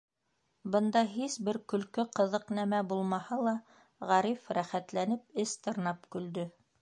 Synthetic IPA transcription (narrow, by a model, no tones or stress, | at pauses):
bɤ̆nd̪ɑɦisbɘɾkɵ̆lkɵqɤ̆ðɤqnæmæbulˠmɑhɑlˠɑ | ʁɑɾifɾæχæt̪lænɘp̚ɘst̪ɤ̆ɾnɑpkɵ̆ld̪ɵ